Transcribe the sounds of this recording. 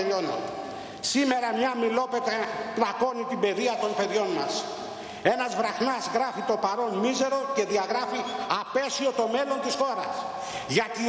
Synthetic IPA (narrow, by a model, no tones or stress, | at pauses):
ono̰ | sime̞ɾɐmɲɐmilo̞pet̪eplɐko̞nit̪ibe̞ðiɐt̪o̞npe̞ðʝo̞nmɐ̰s | e̞nɐzvɾɐxnɐsɣɾɐfit̪o̞pɐɾo̞nmize̞ɾo̞ce̞ðiɐɣɾɐfiɐpe̞sio̞t̪o̞me̞lo̞nt̪isxo̞ɾɐ̰s | ʝɐt̪i